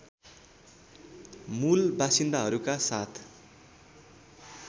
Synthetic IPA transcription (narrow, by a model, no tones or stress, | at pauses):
mulbasind̪aɦʌɾukasat̪ʰ